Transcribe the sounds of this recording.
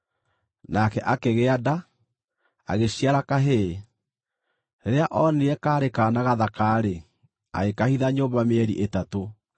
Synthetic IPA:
nakɛʔakeɣeada | a̰ɣeɕiaɾakaɦe | ɾeɾeaʔɔneɛkaːɾekanaɣaðakaːɾe | a̰ɣekahiðaɲoːmbameɛɾḭʔetato

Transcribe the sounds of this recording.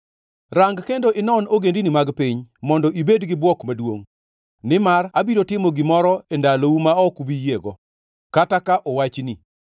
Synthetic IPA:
raŋɡkendoʔɪnɔnoɡendinɪmaɡpiɲmɔndɔʔibedɡɪbwɔkmadwo̰ŋ | nɪmarabiɾotɪmoɡɪmɔɾɔendaloumaɔkubijeɡɔ | katakaʔɔwat͡ʃni

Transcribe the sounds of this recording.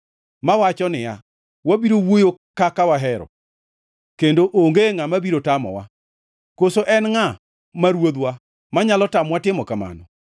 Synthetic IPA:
mawat͡ʃɔnɪja̰ | wabiɾowojokakawaɦɛɾɔ̰ | kendoʔoŋɡeŋamabiɾotamɔ̰wa̰ | kosoʔɛnŋa | maɾwod̪wa | maɲalɔtamwatɪmɔkama̰nɔ

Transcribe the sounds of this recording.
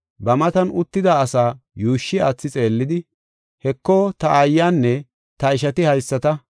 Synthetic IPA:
bɐmɐt̪ɐnʊt̪ːɪd̪aːsaːjuːʃːɪa̰t͡sːɪt͡sʼe̞ːlːɪd̪ɪ | hɛkːɔt̪ɐʔɐjːaːnːɛ | t̪ɐɪʃɐt̪ɪhɐjsːɐt̪ɐ

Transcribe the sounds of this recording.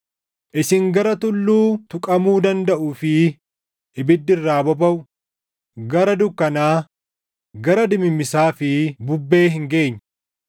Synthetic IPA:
ʔɪsɪŋɡɐɾɐt̪ʊlːuːt̪ʊkʼɐmuːd̪ɐnd̪ɐʔuːfɪ | ɪbɪd̪ːɪrːaːbɔbɐwʊ | ɡɐɾɐd̪ʊkːɐnaː | ɡɐɾɐd̪ɪmɪmːɪsaːfɪbʊbːe̞ːɦɪŋɡe̞ːɲː

